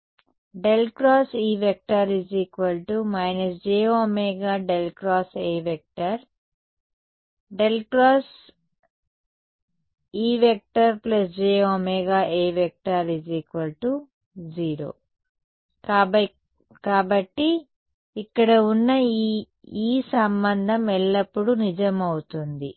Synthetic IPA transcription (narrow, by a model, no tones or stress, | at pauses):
ɖelkɾaːsiːʋek̚ʈaːɾid͡ʒiːkʋɐlʈumɐjnɐsd͡ʒeːomeːɡaːɖelkɾaːseːʋek̚ʈɐɾ | ɖelkɾaːs | iːʋek̚ʈɐɾplɐsd͡ʒeːoːmeːɡaːʔeːʋek̚ʈaːɾid͡ʒikʋɐlʈu | d͡ʒiːɾo̰ː | kaː | kaːbɐʈːiː | kːɐɽɐunːɐ | iːsɐmbɐnd̪ʱɐmɛɭːɐpːuɽunid͡ʒɐmɐwut̪und̪i